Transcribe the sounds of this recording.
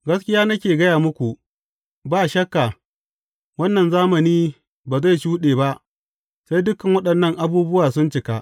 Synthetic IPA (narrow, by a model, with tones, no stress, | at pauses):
ɡɐ˦skʲɪ˦jaː˦nɐ˦kʲeː˨ɡɐ˦jaː˨mʊ˦kʷu˨ʔ | baː˦ʃɐ˦kːa˨ | wɐ˦nːɐ˨nzaː˦mɐ˨niː˦ | baː˨za˦˨jʃuː˦ɗeː˨ba˦ʔ | sa˦jdʊ˦kɐ˨ŋwɐ˦ɗɐ˨nːɐ˦ŋʔa˨buː˦bʊ˦waː˨sʊ˦nt͡ʃɪ˨ka˦ʔ